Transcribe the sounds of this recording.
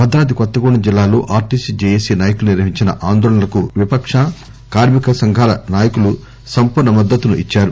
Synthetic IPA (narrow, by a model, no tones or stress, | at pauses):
bɐd̪ɾaːd̪ikɔt̪ːɐɡuːɳːnɐd͡ʒilːaːlo̰ːʔaːɾʈisid͡ʒejesiːnaːjɐkulɐniɾʋɐɦiɲt͡ʃinɐ̰ʔaːnd̪ɔːɭɐnɐlɐkuʋipɐkʂɐ | kaːɾmikɐsɐŋɡʱaːlɐ̰naːjɐkulu | sɐmpuɾnɐmɐd̪ːɐt̪ːunuʔit͡ʃːaːɾu